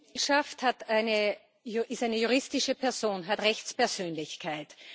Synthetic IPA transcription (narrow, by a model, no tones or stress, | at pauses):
ʃafthataɪnə | ʔɪstaɪnəjuʁ̞ɪstɪʃəpʰɛɐz̥oːnɦatʁɛçt͡spɛɐz̥øːnlɪçkʰaɪt